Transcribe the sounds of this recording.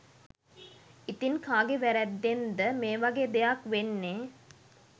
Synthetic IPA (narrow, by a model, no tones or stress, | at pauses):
it̪inkaːɡeʋæɾɛd̪ːend̪əmeːʋaɡeːd̪ejakʋenːe